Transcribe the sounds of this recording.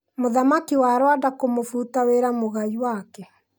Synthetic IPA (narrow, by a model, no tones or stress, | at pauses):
moðamakiwaɾwadakomofuːtaweɾamoɣaiwakɛ